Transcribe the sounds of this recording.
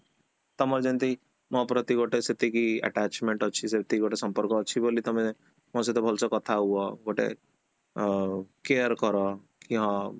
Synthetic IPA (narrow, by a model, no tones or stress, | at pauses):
t̪ɔmɔɾd͡ʒent̪i | mɔ̃pɾɔt̪iɡoʈeset̪ikiɛ̰ʈat͡ʃmeɳʈɔt͡ʃʰiset̪iɡoʈesɔmpɔɾkɔːt͡ʃʰibolit̪ɔme | mɔ̃set̪ebʱɔlsɔkɔt̪ʰaɦuɔɡoʈḛ | keəɾkɔɾɔ | kiɦɔ̃